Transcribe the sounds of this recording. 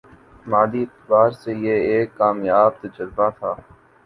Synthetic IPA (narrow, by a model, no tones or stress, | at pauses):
maːd̪iɪt̪baːɾsejeeːkːaːmjaːb̚t̪ɐd͡ʒəɾbat̪ʰaː